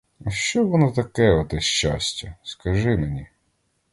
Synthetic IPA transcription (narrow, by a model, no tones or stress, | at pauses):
ɐʃt͡ʃɔʋɔnɔt̪ɐkɛɔt̪ɛʃt͡ʃa̰sʲtʲɐskɐʒɪmenʲi